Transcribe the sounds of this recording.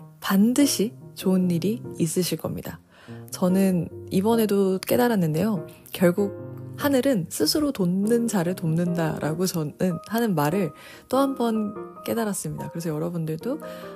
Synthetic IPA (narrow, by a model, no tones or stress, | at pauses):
pandɯɕʰit͡ɕoɯnːiɾiis͈ɯɕʰiɭk͈ʌ̰mɲḭda | t͡ɕʌnɯnibʌne̞dok͈e̞daɾanːɯnde̞jo | kjʌɭɡuɡ̚hanɯɾɯnsʰɯsʰɯɾotonɯnd͡ʑaɾɯɭtomnɯnda̰ɾʔa̰ɡot͡ɕʌnɯnhanɯnmaɾɯɭ | t͈oɦambʌnk͈e̞daɾas͈ɯmɲidakɯɾe̞sʰʌjʌɾʌbundɯɭdo